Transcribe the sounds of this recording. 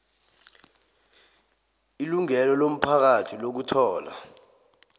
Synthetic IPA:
iluŋɛlɔlom̩pʰak̬atʰilok̬utʰɔːla̰

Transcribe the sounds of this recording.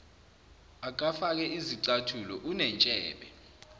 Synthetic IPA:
ak̬ʼafak̬ɛʔiziǀatʰulɔʔunɛnt͡ʃʼɛːɓɛ

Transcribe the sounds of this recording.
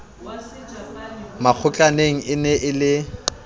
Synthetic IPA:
mak͡xʰʊt͡ɬʼaneŋ̩ʔɪnɛʔɪlɪ

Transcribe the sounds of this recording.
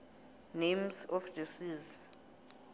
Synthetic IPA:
nemsɔfd̥isiːz

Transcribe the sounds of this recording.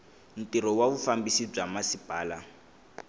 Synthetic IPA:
n̩tiɾɔwaβufambisib͡ʐamasipʼaːla

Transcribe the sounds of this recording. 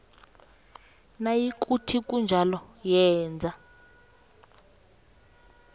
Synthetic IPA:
najikʼutʰik̬ʼund͡ʒʱalɔjɛːnd͡zʱa

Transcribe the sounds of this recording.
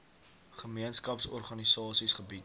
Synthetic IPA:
χəmiənskɐpsɔrχɐnisɑːsisχəbit

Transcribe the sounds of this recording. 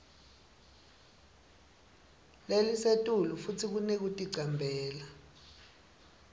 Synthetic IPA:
lelisetʼulufutʰik̬unek̬utʼiɡ͡ǀʱambʱɛːla

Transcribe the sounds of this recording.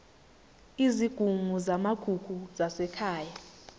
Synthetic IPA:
iziɡ̥ʱuŋuzamaɡ̥ʱuɡ̥ʱuzasɛkʰaːja

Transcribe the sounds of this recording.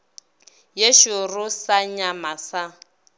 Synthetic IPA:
jeʃʊrʊsaɲamasa

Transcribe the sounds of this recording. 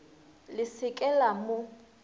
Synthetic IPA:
lɪsɪkʼɛlamʊ

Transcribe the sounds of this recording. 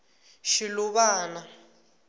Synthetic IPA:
ʃiluβaːna

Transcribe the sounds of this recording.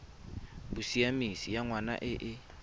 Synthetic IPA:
bʊsiamisijaŋwana̰ʔɪʔɪ

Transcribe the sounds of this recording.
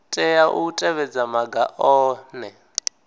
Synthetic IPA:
tʼɛjaʔṵtʼɛβɛd͡zamaɡaʔɔːnɛ

